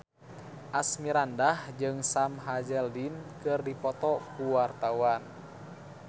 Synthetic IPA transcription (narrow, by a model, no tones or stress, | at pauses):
ʔasmiɾandahd͡ʒɨŋsamɦad͡ʒɛldinkɨrdipɔt̪ɔkuwart̪awan